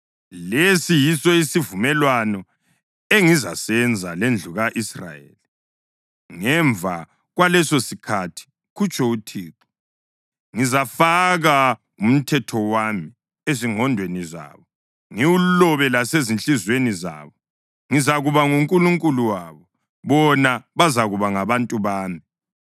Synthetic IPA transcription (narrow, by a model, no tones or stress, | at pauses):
lesijisɔisivumɛlwanɔ | eŋizasɛnd͡zʱalend͡ɮʱuɣaʔisra̰jḛːli | ŋɛɱvʱa | ɣwalɛsosikʰatʰi̥ | kut͡ʃʼʰɔutʰiːǁɔ̥ | ŋizafaɣa | um̩tʰɛtʰɔwami | eziŋʱɔndʱweniza̰ːβɔ | ŋiwulɔβɛlasezint͡ɬʼizweniza̰ːβɔ | ŋizaɣuβaŋuŋkʼuluŋkʼuluwaːβɔ | βɔnaβazaɣuβaŋaβantʼuβaːmi